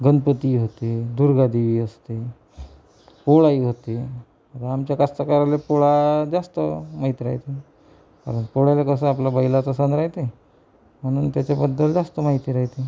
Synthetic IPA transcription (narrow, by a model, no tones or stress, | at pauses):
ɡənpət̪iːɦot̪ed̪uɾɡad̪iʋiːəst̪e | poɭaiɦot̪e | ət̪əamt͡ɕjakast̪akaɾalepoɭad͡zast̪əmaɦit̪iɾa̰ɦjt̪e | ka̰ɾənpoɽalekəsə̃aplabəjlat͡sasanɾaɦit̪e | m̤əɽ̃uːnt̪jat͡ɕabəd̪ːəld͡zast̪əmaɦit̪iɾaɦit̪e